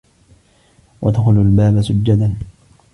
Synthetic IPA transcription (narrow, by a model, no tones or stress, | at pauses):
wʔa̰d̪xʊlalbaːbasʊd͡ʒːad̪an